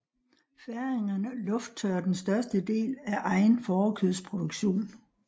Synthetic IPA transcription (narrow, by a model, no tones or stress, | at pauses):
fæɐeŋɐnəlɔ̽fd̥̚t͡sʰœːɐd̥ensd̥ɶɐsd̥əd̥e̝̰ːlæʔɑ̈ɪnfɒːkʰyðˠspʰʁo̝d̥oɡ̥ɕo̝̰ːn